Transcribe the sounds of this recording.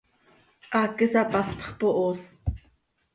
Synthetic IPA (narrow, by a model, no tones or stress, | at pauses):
ʔakəsapaspχpoʔos